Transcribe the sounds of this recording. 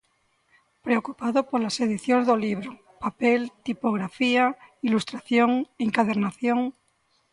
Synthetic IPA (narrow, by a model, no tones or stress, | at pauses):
pɾeokupaðopoɾlase̞ð̞iθjonzðoliβ̞ɾo | papelt̪ipoɣ̞ɾafiailust̪ɾaθjoŋeŋkaðeɾnaθjoŋ